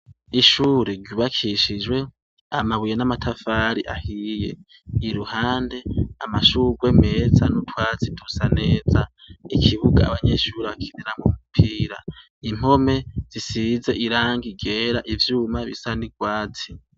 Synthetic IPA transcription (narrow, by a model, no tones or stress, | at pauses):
iʃuːɾeɾɟuβakʰiʃid͡ʒwe̞ | amaβujenamatʰafaːɾiʔa̰hiːje̞̰ | iɾuhaːnde̞amaʃuːɡwe̞me̞ːzanutʰwaːt͡sitʰusane̞ːza | ikʰiβuɡa̰ːβaɲe̞ʃuːɾeβakʰidiɾaŋɡomupʰiːɾa | im̥o̞me̞z̥isize̞ʔiɾaːŋɡiɡe̞ːɾaʔivjuːmaβḭsaniɡwaːt͡si̥